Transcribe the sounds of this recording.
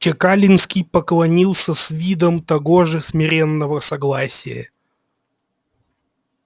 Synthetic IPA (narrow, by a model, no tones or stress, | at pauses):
t͡ɕɪkalʲɪnskʲijpəklˠɐnʲilˠsʲəsvʲid̪əmt̪ɐɡoʐɨsmʲɪɾʲenːəvəsɐɡlˠasʲɪ̰jə̰